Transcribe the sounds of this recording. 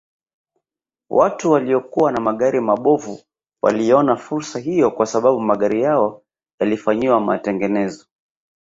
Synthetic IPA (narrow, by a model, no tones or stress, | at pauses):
wʔatuwaliɔkuwanamaɠaɾimaɓɔvu | wa̰lijɔnafuɾsaɦijɔkwasaɓaɓumaɠaɾijaɔ | jalifaɲiwama̰tɛŋɡɛnɛzɔ